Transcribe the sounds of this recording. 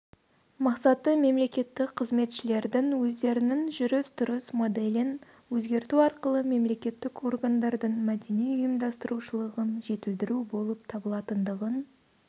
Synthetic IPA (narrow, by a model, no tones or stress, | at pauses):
mɑqsɑt̪ːəme̞mle̞kʲe̞t̪ːɪkqʰəzme̞t̪ʃɪle̞ɾd̪ɪŋwɵzd̪e̞ɾɪnɪŋʒʏɾɪst̪ʰʊɾəsmo̞d̪elɪn | wɵzɡʲe̞ɾt̪uɑɾqəlˠəme̞mle̞kʲe̞t̪ːɪko̞rɡand̪ɑɾd̪əɴmæd̪e̞nijʊjəmd̪ɑst̪əɾuʃəlˠəʁənʒe̞t̪ɪld̪ɪɾubo̞lˠəp̚t̪ʰɑbəlˠɑt̪ənd̪əʁən